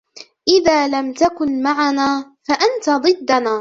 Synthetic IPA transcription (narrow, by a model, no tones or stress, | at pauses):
ʔɪðaːlamt̪akʊnmaʕanaːfaʔant̪ad̪ˤɨd̪ːanaː